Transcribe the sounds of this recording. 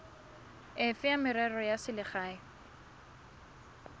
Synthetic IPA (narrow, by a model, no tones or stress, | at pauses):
ɪfɪamɪɾɛrɔjasɪlɪχaːɪ